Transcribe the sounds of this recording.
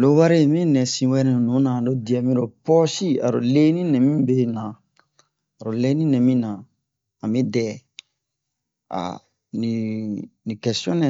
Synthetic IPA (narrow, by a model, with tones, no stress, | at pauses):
lo˨wa˦ɾe˦˨mĩ˦nɛ̃˨sĩ˧wɛ˦ɾĩ˦˨nũ˨˦nã˨do˦di˨ɛ˨mĩ˦ɾo˨pɔ˦si˦a̰˨ɾo̰˨le˦nĩ˦nɛ̃˨mĩ˦be˦nã˨ | a˨ɾo˨le˦nĩ˦nɛ̃˨mĩ˦nã˨ | a˨mĩ˦dɛ˨ | a̰˨ | ni˨nĩ˨kɛ˨sɔ̃˦nɛ̃˨